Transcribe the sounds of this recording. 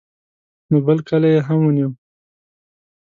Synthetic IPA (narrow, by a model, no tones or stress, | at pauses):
nobəlkəlajeɦamunjəm